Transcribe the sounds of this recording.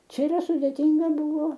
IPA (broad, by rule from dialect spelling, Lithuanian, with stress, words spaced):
ˈt͡ʃʲɛ iːˈrɐ sʊdʲeːˈtʲiːŋɡɐ ˈbʊʋoː